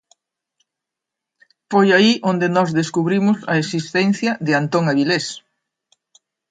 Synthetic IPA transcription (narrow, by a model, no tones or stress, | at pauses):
fojaiʔond̪enɔzðeskuβɾimʊsɐ̰esist̪ɛn̟θjɐðɪant̪oŋaβiles